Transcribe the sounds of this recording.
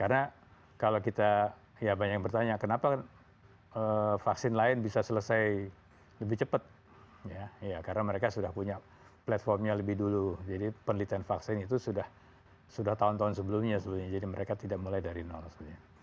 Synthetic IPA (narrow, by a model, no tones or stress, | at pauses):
karəna | kalokit̪a | jabaɲak̚bərt̪aɲakənapakn | əfaksɪnlaɪnbisasələsaj | ləbɪht͡ʃəpət̪̚ | jajakarənaməɾekasudahpuɲa | plat̪fɔrmɲaləbɪhdulud͡ʒadipənəlit̪anfaksɪnit̪usudah | sudaht̪aʊnt̪aunsəbəlumɲasəbəlumɲad͡ʒadiməɾekat̪idak̚mulajdaɾinɔ̰lsbɲa